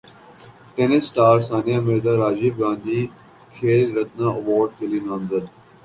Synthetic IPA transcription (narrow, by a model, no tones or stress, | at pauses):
ʈenɪsːʈaːɾsaːnijamɪɾd̪aɾaːd͡ʒibɡãːnd̪iː | kʰeːlɾɐt̪nãːɐʋɔːɾɖ̚kelinãːmd̪əd̪